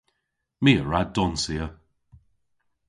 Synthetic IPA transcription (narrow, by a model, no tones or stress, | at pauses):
miːəɹaddɔnsiə